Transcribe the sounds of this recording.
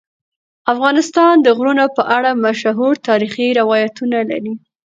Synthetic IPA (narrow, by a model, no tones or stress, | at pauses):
afɣɑnɪst̪ɑnd̪əɣɾunapəʔaɽamaʃɦuɾt̪ɑɾixiɾɪwɑjat̪unala̰ɾi